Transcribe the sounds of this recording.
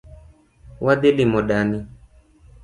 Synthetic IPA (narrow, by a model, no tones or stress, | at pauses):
wʔad̪elimɔɗani